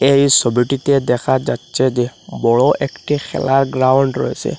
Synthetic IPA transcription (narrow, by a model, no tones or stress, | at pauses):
ejsɔbiʈitɛd̪ɛkʰad͡ʒatsɛd͡ʒɛbɔɭɔʔekʈixʰɛ̰laɹɡɹawɳɖɹɔ̰jsɛ̰